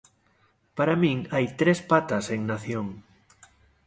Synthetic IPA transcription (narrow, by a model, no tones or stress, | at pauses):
paɾamĩŋajt̪ɾespat̪ɐseŋnaθjoŋ